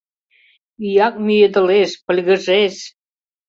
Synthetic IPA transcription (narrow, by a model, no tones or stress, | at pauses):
yjɑk̚myjed̪ə̆leʃpə̆lʲɣə̆ʒeʃ